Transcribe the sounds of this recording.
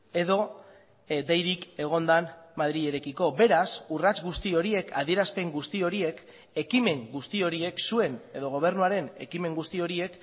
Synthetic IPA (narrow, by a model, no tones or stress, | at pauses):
e̞ðo̞ | d̪ejɾike̞ɣ̞o̞nd̪anmaðɾie̞ɾe̞kiko̞be̞ɾasurat͡sɡust̪io̞ɾie̞kʰa̰ð̞ie̞ɾaspe̞ŋɡust̪io̞ɾie̞k | e̞kime̞ŋɡust̪io̞ɾie̞ksue̞ne̞ðo̞ɣ̞o̞β̞e̞ɾnuaɾe̞ne̞̰kime̞ŋɡust̪io̞ɾie̞k